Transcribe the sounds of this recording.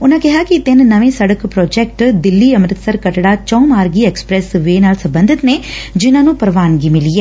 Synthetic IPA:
ʊnãːkɪɦaːkɪt̪ɪnːəʋẽːsəɽəkpɾɔːd͡ʒɛːk̚ʈd̪ɪlːiːəmɾɪt̪səɾkəʈɽaːt͡ʃə̃ũmaːɾɡiːɛːkspɾɛːsʋeːnaːlsə̃mbənd̪ʱɪt̪neːd͡ʒɪnãːnũːpəɾʋaːnɡiːmɪliːɛː

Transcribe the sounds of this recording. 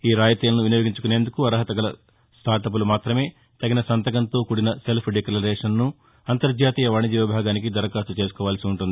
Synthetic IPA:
iːɾaːd͡ʒɐt̪iːlɐnuʋinijoːɡiɲt͡ʃukune̞ːnd̪ukuɐɾɐɦɐt̪ɐɡɐlɐ | sʈ̪ʰaːɾʈɐp̬ulumaːt̪ɾɐme̞ː | t̪ɐɡinɐsɐnt̪ɐɡɐnt̪o̞ːkuɽinɐse̞lpʰɖikɐlɐɾeːʂɐnnu | ɐnt̪ɐɾd͡ʒaːt̪iːjɐʋaːɳiɐd͡ʒiːʋɐbʱaːɡaːnik̬id̪ɐɾɐkaːsut͡ʃe̞ːsukɔːʋaːlɐsiuɳʈund̪i

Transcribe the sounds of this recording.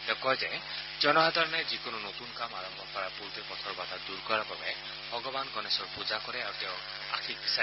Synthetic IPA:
t̪ẽkɔjzɛ | d͡ʒɔnɔɦad̪ʱɔɹnɛzikonunot̪unkamaɹɔmbʱɔkɔɹapuɹtipɔt̪ʰɔɹbat̪ad̪uɹkɔɹababɛ | bʱɔɡɔbankɔnesɔɹpud͡ʒakɔɾɛaɹut̪ew̃ | a̰kʰik̚bisa

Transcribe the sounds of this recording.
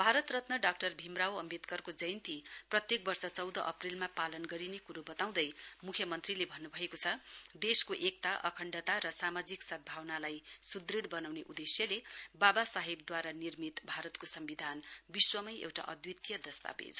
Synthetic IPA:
bʱaɾʌt̪rʌt̪nʌɖak̚ʈʌrbʱimrawʌmit̪kʌrkod͡zʌjnt̪iprʌt̪jek̚bʌrsʌt͡sʌwd̪ʌʔʌprilmapalʌnɡʌɾinekuɾubʌt̪aw̃d̪ʌjmukʰjʌmʌnt̪rilebʱʌnːubʱʌekot͡sʰʌd̪eskoʔek̚t̪aʔʌkʰʌɳɖʌt̪aɾʌsamad͡ziksʌd̪̚bʱawnalajsud̪riɽbʌnawneʔud̪esjʌlebabasaɦib̚d̪waɾanirmit̪bʱaɾʌt̪kosʌmbid̪ʱanbiswʌmʌjʔḛwʈa̰ʔʌd̪wit̪jʌd̪ʌst̪a̰pḛd͡z

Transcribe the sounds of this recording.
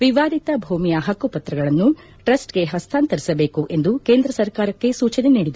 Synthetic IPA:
ʋiʋaːd̪it̪ɐbʱuːmijɐɦɐkːupɐt̪ɾɐɡɐɭɐnːu | ʈɾɐsʈɡe̞ɦɐst̪ʰaːnt̪ɐɾisɐbe̞ːkuʔe̞nd̪uke̞ːnd̪ɾɐsɐɾkaːɾɐkːe̞suːt͡ʃɐneniːɽid̪

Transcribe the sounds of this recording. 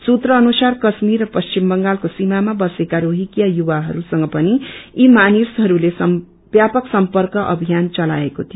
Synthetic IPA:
sut̪rʌːnusarkʌsmirrʌpʌst͡ʃimbʌŋɡalkosimamabʌsekaɾoɦikjajubaɦʌɾusʌŋɡʌpʌniimanisɦʌɾules | bjapʌksʌmpʌrkʌʔʌ̰bʱijant͡sʌla̰ekot̪ʰijo

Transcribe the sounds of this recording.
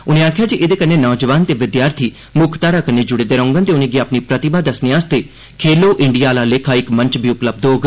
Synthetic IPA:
ʊnẽːaːkʰjaːd͡ʒiʔeːd̪eːkəneːnɔːd͡ʒʋaːnt̪eːʋɪd̪jaːɾt̪ʰiː | mʊkʰt̪aːɾaːkənːeːd͡ʒʊɽeːd̪eːɾə̃ʊ̃ŋɡənt̪eːʊnẽːɡiaːpniːpɾət̪ɪbaːd̪əsneaːst̪eː | kʰeːloːʔɪɳɖijaːlaːlekʰaːɪkmə̃ɲt͡ʃbʱiːʊpləb̚d̪oːɡ

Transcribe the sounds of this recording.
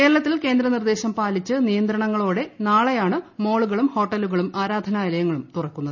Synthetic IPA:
ke̞ːɾɐɭɐt̪ːilke̞ːnd̪ɾɐnird̪e̞ːɕɐmpaːlit͡ɕːɨnijɐnd̪ɾɐɳɐŋːɐɭoːɽe̞naːɭɐjaːɳɨmo̞ːɭuɣɐɭumho̞ːʈːɐluɣɐɭumaːɾaːd̪ʱɐnaːilɐjɐŋːɐɭumt̪urɐkːunːɐðɨ

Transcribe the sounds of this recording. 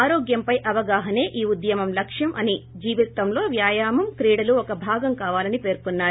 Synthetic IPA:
aːɾoːɡjɐmpɐjʔɐʋɐɡaːɦɐne̞ːʔiːud̪jɐmɐmlɐkʂjɐmʔɐnid͡ʒiːʋit̪ːɐmlo̞ːʋjaːjaːmɐmkɾiːɽɐluɔkɐbʱaːɡɐmkaːʋaːlɐnipe̞ːɾkunːaːɾu

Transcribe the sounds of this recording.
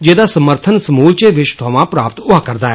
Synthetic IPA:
d͡ʒeːd̪aːsəməɾt̪ʰənsəmuːlt͡ʃeːʋɪt͡ʃt̪ʰʊaːʋãːpɾaːpət̪ʊaːkəɾd̪aːɛ

